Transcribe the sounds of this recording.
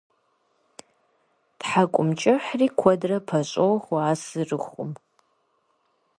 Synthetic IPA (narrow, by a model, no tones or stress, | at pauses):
tħakʷʼʊmt͡ʃʼɪħriːkʷʰɔdrɐpʰɐɕʼowχʷaːsɨrɨχʷʊ̰m